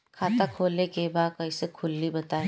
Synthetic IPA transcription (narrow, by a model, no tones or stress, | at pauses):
kʰaːt̪akʰoːlekebaːd̪̚kɐisekʰʊlːibɐt̪aː